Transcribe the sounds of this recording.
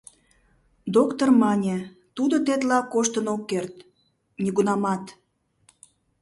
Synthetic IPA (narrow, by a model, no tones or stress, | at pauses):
d̪okt̪ormɑnʲe | t̪ud̪ot̪̬et̪lɑkːoʃt̪ənokːert̪ | nʲiɣunɑmɑt̪